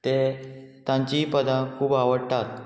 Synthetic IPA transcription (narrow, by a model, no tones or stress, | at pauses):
t̪et̪ãɲt͡ɕipəd̪ãkʰuːbaʋəɽt̪at̪̚